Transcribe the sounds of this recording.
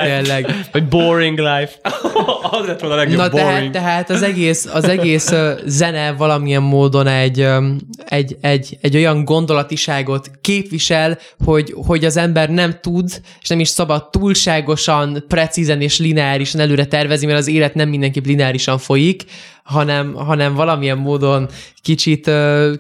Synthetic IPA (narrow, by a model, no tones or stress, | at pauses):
tt̪eːlːɛɡvɒɟboɾiŋɡlajf | zlɛt̪onlɛɡnnɒt̪ɛɦaːt̪ɡ̪ːɛɦaːt̪ɒzɛɡeːsɒzɛɡeːszɛnɛvɒlɒmijɛmːoːd̪o̞nɛɟː | ɛɟɛɟːɛɟːo̞jɒŋɡo̞nd̪o̞lɒt̪iʃaːɡo̞t̪keːpʋiʃɛl | ho̞ɟho̞ɟɒzɛmbɛrnɛmt̪ud̪eʃnɛmiʃsɒbɒt̪ːuːlʃaːɡo̞ʃɒnprɛt̪sizɛneːʃlinɛaːɾiʃɒnɛløːɾɛt̪ɛrvɛznimɛɾɒzeːlɛt̪nɛmːind̪ɛŋkiplinɛaːɾiʃɒɱfo̞jik | ɦɒnɛmɦɒnɛɱvɒlɒmijɛmːoːd̪o̞nkit͡ʃit̪øː